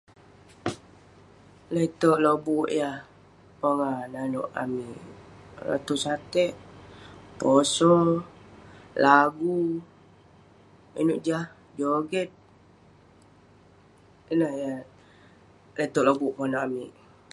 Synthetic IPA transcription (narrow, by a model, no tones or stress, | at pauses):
let̪oʔlobuʔjah | pɔŋananṵʔa̰miʔla̰t̪usat̪ɛʔ | posɔ | laɡu | ḭnuʔd͡ʒah | d͡ʒoɡɛt̪̚ | inəhja | let̪ɔʔlobuʔpoŋanoʔamiʔ